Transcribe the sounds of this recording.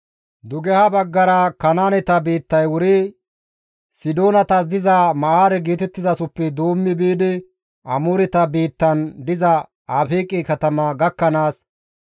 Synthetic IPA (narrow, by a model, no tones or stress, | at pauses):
d̪ʊɡɛhɐbɐɡːɐɾɐkɐnaːnɛt̪ɐbeːt̪ːɐjwʊɾi | sɪd̪o̞ːnɐt̪ɐs̬d̪ɪzɐmɐʔaːɾɛɡeːt̪ɛt̪ːɪzɐsʊpːɛd̪oːmːɪbiːd̪ɪ | ʔɐmʊɾɛt̪ɐbeːt̪ːɐnd̪ɪzɐ | aːfeːkʼːɪkɐt̪ɐmɐɡɐkːɐnaːs